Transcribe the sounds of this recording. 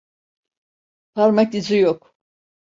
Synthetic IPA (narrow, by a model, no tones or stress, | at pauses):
t̪ʰaɾmakizijok